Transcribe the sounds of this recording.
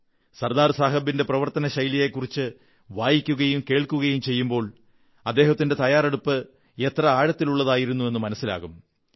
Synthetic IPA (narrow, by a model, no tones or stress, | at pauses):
sɐrd̪aːrsaːɦɐbinde̞prɐʋɐrt̪ɐnɐɕɐjlijekːurit͡ɕːɨ | ʋaːjikʲːuɣɐjumke̞ːɭkuɣɐjumt͡ɕe̞jːumbo̞ːɭ | ɐd̪ːe̞ːɦɐt̪ːinde̞t̪ɐjaːreɽupːɨ | e̞t̪rɐaːɻɐt̪ːiluɭːɐðaːjiɾunːue̞nːɨmɐnɐsːila̰ːɣum